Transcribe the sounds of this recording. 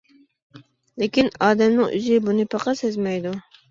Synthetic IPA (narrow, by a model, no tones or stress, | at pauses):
lekʲinɑːd̪ɛmnɨŋʔy̰zɪbunɪpʰɑqʰɑsezmɛjd̪u